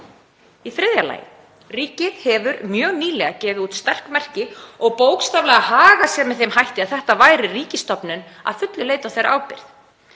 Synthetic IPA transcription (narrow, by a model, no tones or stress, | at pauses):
iθɾɪðjala̰ːjɪ̰ | riːcɪðhɛvʏɾmjœːɣniːlɛɣacɛːvɪuːt̪st̪ar̥kmɛr̥cɪɔɣpoːwkst̪awvlɛɣahaːɣasjɛmɛðθemhajht̪ɪaðθɛht̪avaːjɾɪriːcɪst̪ɔpnʏn | a̰ðfʏt̪lʏleːjt̪awθejɾaʔaːwpɪ̰ɾ̥θ